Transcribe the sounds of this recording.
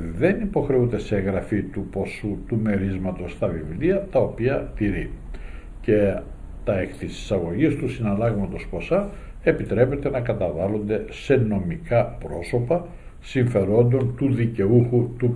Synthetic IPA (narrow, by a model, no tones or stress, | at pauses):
ðe̞nipo̞xɾe̞und̪e̞seeŋɣɾɐfit̪upo̞sut̪ume̞ɾizmɐt̪o̞st̪ɐvivliɐt̪ɐo̞piɐt̪iɾi | ce̞ | t̪ɐekθisi̥sɐɣo̞ʝist̪usinɐlɐɣmɐt̪o̞spo̞sɐ | e̞pit̪ɾe̞pe̞t̪e̞nɐkɐt̪ɐvɐlond̪e̞se̞no̞mikɐpɾo̞so̞pɐ | siɱfe̞ɾo̞nd̪o̞nt̪uðice̞uxut̪u